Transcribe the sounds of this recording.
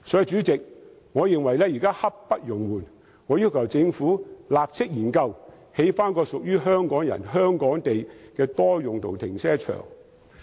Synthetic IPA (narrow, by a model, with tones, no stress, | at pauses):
sɔ˨˥jt͡ʃyː˨˥t͡sɪ˨k̚ | ŋɔː˨˧jɪ˨ŋwɐ˨˩jlɛː˥jiː˨˩kaː˥hɐ˥p̚ːɐ˥t̚jʊ˨˩ŋwuː˨˩n | ŋɔː˨˧ji˧wkʰɐ˨˩wt͡sɪ˧ŋfuː˨˥laː˨p̚t͡sʰɪ˥k̚jiː˨˩nkɐ˧w | he˨˥jfaː˥nkɔː˧sʊ˨k̚jyː˥ɦœː˥ŋkɔː˨˥ŋjɐ̰˨˩nɦœː˥ŋkɔː˨˥ŋt̪e˨jkɛː˧t̪ɔː˥jʊ˨ŋt̪ʰo̰˨˩wt̪ʰɪ˨˩ŋsɛː˥t͡ʃʰœ̰ː˨˩ŋ